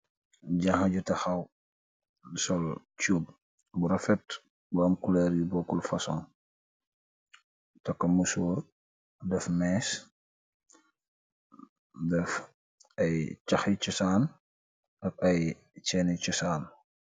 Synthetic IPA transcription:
ɟahɐɟutɐxɐw | sɔl | t͡ʃuːb̚ | buɾɐfɛt | buɐmkulɛːɾjubɔkːulfɐsɔn | tɐkːɐmuso | dɛfmɛːs | dɛf | ɐjt͡ʃɐxit͡ʃusaːn | ʔɐk̚ɐj | t͡ʃɛːnit͡ʃusaːn

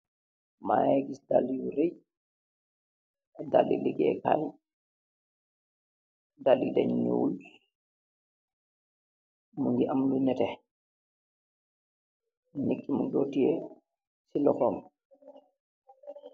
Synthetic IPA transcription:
ma̰ɛɡisdalijuɾej | dalːḭliɡɛ̰ka̰j | dalːidɛɲnṵwul | muŋɡiʔamlunɛtɛ | nekʼːimundotiɛ | silɔkɔm

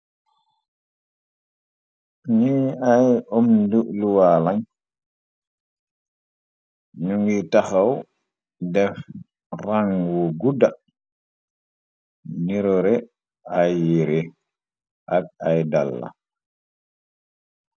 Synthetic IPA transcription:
niajɔmnduʔluwalaŋ | ɲuŋɡitaxaw | dɛf | raŋɡuɡuda | niɾɔɾɛ | ajːiɾe | ʔak̚ajdalːa̰

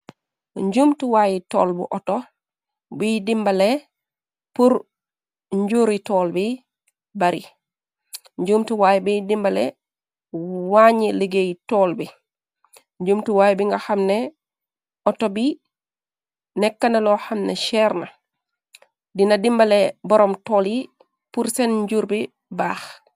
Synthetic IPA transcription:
ɲɟumtuwaːjitɔ̰ːlbṵʔɔto | bidimbale | puɾ | ɲɟuɾitɔːlbi | baɾi | ɲd͡ʒumtuwajibidimbalḛ | waɲiliɡejtolbi | ɲɟumtuwajbiŋɡaxamne | ɔtobi | nɛkːanaloxamneʃɛɾna | dinadimbalebɔɾɔmtoli | puɾsenɲɟuɾbi | baːx

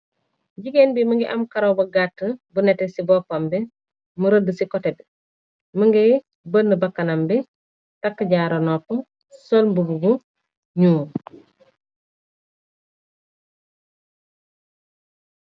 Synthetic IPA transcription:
ɟiɡenbiməŋɡiʔɐmkaɾowbɐɡatːəbunɛtɛsibɔːpɐmbi | muɾədəsikɔtebi | məŋɡej | bənːəbɐkːɐnambi | takːɐɟaɾonɔpːu | solbububu | ɲuː

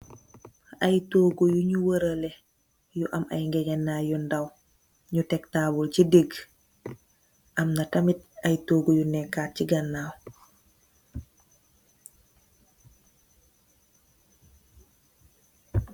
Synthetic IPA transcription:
ajtoːɡujuɲuwəɾəlɛ | juʔɐma̰jŋɡɛɲɛnːaːjundaw | ɲutɛktaːbɔlcidiɡ | ʔɐmnatamit̚ajtoːɡujunɛkːaːt̚ciɡɐnːaːw

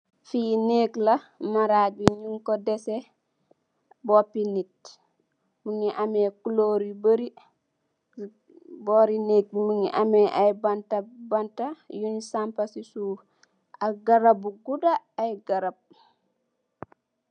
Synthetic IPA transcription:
fiːneːklɐmaɾaːɡiɲuŋkɔdɛse | bopinit̚ | muŋiʔamekuloːɾibəɾi | boːɾineːk̚muŋḭʔamɛʔajbantabantajunsampasisuː | aɡaɾabuɡudaːjɡaɾab̚

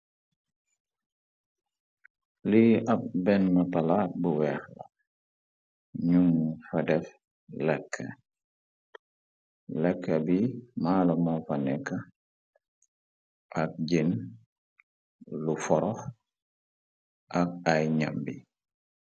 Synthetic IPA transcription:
liɐp̚bɛnmɐpɐlat̚buwɛːxla̰ | ɲumfɐdɛf | lɛkʰːə̰ | lɛkʰːɐbimaːlɐmafɐnɛkːɐ | ʔɐk̚ɟin | lufɔɾɔx | ʔɐk̚ajɲambi

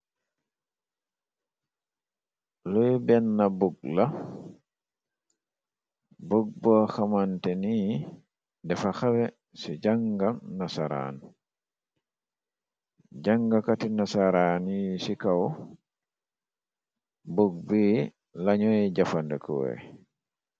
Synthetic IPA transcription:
lɔjbɛnːabuɡ̚la | bɔɡ̚bɔxamantɛni | dɛfaxawɛ | sid͡ʒaŋɡamnasaɾa̰n | d͡ʒaŋɡakatinasaɾanisikaw | buɡ̚bi | laɲɔjɛd͡ʒafandɛ̰kɔ̰wɛ̰

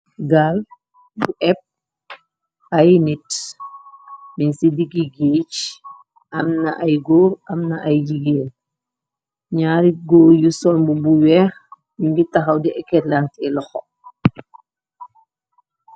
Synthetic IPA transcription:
ɡal | buʔɛp̚ | ajnit | minsidiɡiɡeːt͡ʃ | ɐmnɐʔajɡɔːɾɐmnaʔajd͡ʒiɡeːl | ɲaːɾiɡɔːjusɔlbubuwɛːx | juŋɡitaxɐwdiʔɛkːɛtlantɛlɔxɔ

